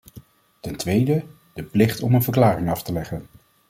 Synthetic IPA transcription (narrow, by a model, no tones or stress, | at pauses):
tɛntʋejdə | d̥əplɪχtɔmənvəɹklaːrɪŋɑftəlɛχən